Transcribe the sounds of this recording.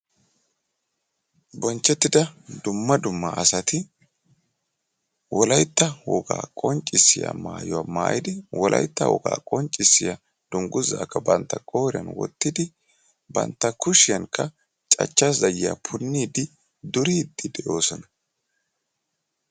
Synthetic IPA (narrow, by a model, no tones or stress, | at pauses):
bɔnt͡ʃːɛt̪ːɪd̪ɐd̪ʊmːɐd̪ʊmːɐʔɐsɐt̪ɪ | wɔlɐjt̪ːɐwɔɡa̰ːkʼɔnt͡ʃʼːɪsːɪ̰ja̰ma̰ːjɔwaːma̰ːjɪd̪ɪwɔlʔɐ̰jt̪ːɐ̰wɔ̰ɡa̰ːkʼɔnt͡ʃʼːɪsːɪjɐ | d̪̥ʊŋɡʊzːa̰ːkːɐbɐnt̪ːɐkʼoːɾɪɐ̰nwɔ̰t̪ːɪd̪ɪ | bɐ̰nt̪ːɐkʊʃɪjɐŋkʰːɐ | t͡ʃʼɐ̰t͡ʃːasdɐjɪja̰pʰʊnːiːd̪ɪ | d̪ʊɾid̪ːɪd̪ɛʔo̞ːsɔnɐ